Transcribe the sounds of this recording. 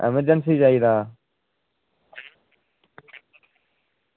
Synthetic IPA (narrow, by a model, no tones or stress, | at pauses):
ɛ̰məɾd͡ʒəns̬iːd͡ʒaːiːd̪aː